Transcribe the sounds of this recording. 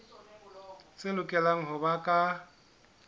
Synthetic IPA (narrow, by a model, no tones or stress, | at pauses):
t͡sʼɪlʊkʼɛlaŋ̩ɦʊbakʼa